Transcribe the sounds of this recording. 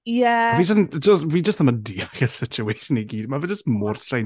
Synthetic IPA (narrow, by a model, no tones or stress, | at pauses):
jɛviːd͡ʒəsnd͡ʒəstviːd͡ʒəstəmədiɔχɛsɪt͡ʃʰueːʃəniɡiːdmavɛd͡ʒəstmʊrsʰaj